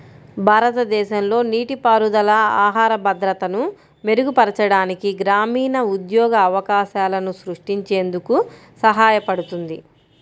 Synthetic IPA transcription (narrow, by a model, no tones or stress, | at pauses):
bʱaːɾɐt̪ɐd̪ɛːʃɐmlo̞ːniːʈipaːɾud̪ɐlɐaːɦaːɾɐbɐd̪ɾɐt̪ɐnu | me̞ɾuɡupɐɾɐt͡ʃɐɽaːnikiɡɾaːmiːnɐud̪jɔːɡɐːʋɐkaːʃaːlɐnusɾuʂʈiɲt͡ʃe̞ːnd̪uku | sɐɦaːjɐpɐɽut̪und̪i